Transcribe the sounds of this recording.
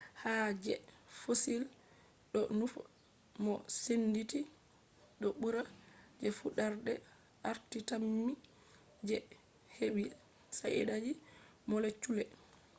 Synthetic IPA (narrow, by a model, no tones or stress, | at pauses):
had͡ʒɛfosil | ɗɔnuf | mɔsenditi | ɗɔɓuɾad͡ʒɛfuɗaɾdɛ | ʔaɾtitamːi | d͡ʒɛ | hewi | saʔɛ̰ɗad͡ʒi | mɔlet͡ʃːulɛ